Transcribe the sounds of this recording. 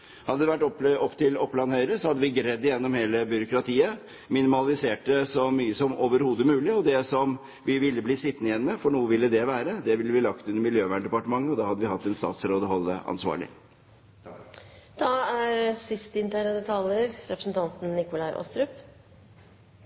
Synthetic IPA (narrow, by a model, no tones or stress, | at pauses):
hɑd̪əd̪ɛʋæʈːɔɔpːt̪ɪlɔpːlɑnhœʏɾəsɔhɑd̪ːəʋɪɡɾɛd̪ːɪjɛnːɔmheːləbʏɾʊkɾɑt̪ʰiːə | mɪnɪmɑlɪseːʈəsɔmyːəsɔmoːʋəɾhuːd̪əmʉːlɪɔd̪ɛsɔm | ʋɪʋɪlːəbliːsɪt̪ːnəɪjɛnːəmɛfɔɳuːəʋɪlːəd̪ɛʋæːɾəd̪ɛʋɪlːəʋɪlɑkt̪ʉnːəɾmɪljøːʋæːɳɖɛpɑʈəmɑŋːəɔd̪ɑːhɑd̪ːəʋɪhɑt̪ːɛnst̪ɑ̰ːt̪sɾoːd̪əhɔlːə̰ɑ̰nsʋɑ̰ːɭɪ̰ | d̪̥ɑæɾsɪst̪əɪnt̪ʰæːɳəd̪ɛt̪ʰɑljəɾɾɛpɾə̥sn̩t̪ʰɑnt̪n̩nɪkʊlɑɪʔɔ̰st̪ɾʉp